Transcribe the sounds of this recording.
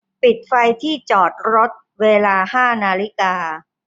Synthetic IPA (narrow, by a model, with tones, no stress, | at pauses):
pi˨˩t̪̚fa˧jt̪ʰiː˥˩t͡ɕɔː˨˩t̪̚ɾo˦˥t̪̚ | weː˧laː˧haː˥˩naː˧li˦˥kaː˧